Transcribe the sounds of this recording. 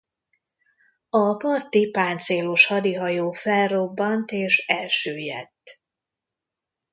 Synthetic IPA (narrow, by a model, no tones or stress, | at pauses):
ɒpɒrt̪ipaːnt̪seːloʃhɒd̪iɦɒjoːfɛlro̞bːɒnt̪eːʃɛlʃøːjɛ̰t̪ː